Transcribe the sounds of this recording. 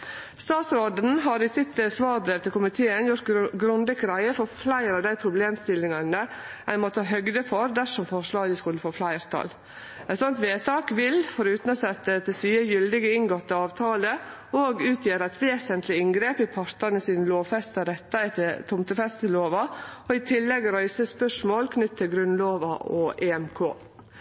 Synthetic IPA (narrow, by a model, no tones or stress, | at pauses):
st̪ɑːt̪sɾoːd̪n̩ɦɑɾɪsɪt̪sʋɑːɾbɾeːʋt̪ʰɪlkʊmɪt̪ʰeːənjʊɾt̪ɡɾʊnd̪əkɾæɪəfɔflæɪɾɑʋd̪æɪpʰɾʊbleːmst̪ɪlːɪŋɑnəɛnmɔt̪ːɑːɦœɡd̪əfɔɾd̪æʂɔmfɔʂɭɑːɡəskʉlːəfoːflæɪɾt̪ʰɑ̰l | ɛt̪sɔnt̪ʋeːt̪ʰɑːkʋɪlfɔɾʉːt̪n̩ɔsɛt̪ːət̪ɛsyːəjʏld̪ɪɡəɪŋɡɔt̪ːəɑːʋt̪ʰɑːlə | oːɡʉːt̪ʰjeːɾəæt̪ʋeːsənt̪ʰlɪɪŋɡɾeːpɪpʰɑɾt̪ɑnəsiːnəloːʋfɛst̪ɑɾɛt̪ːɑt̪ʰɪt̪ʰʊmt̪ʉfɛst̪ɪloːʋɑɔɪt̪ʰɪlːɛɡɾœʏsəspœʂmoːlkʰnʏt̪ːʰɪlɡɾʉnloːʋɑʔɔʔeːɛmkʰo̰ː